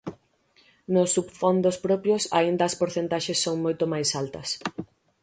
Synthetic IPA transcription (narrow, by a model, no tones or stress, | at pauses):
nosːubfond̪ospɾɔpjosaind̪ɐːspoɾθent̪aʃesːoŋmojt̪omajsalt̪ɐs